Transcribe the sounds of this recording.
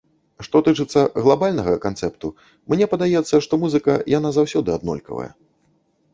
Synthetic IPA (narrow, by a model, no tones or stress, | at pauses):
ʂt̪ɔt̪ɨt͡ʂɨt̪sːɐɣlˠabalʲnɐɣɐkant̪sɛp̚t̪u | mnʲɛpɐd̪ajɛt̪sːɐʂt̪ɔmuzɨkɐjanazawsʲɔd̪ɨad̪nɔ̰lʲkɐ̰vɐ̰jɛ̰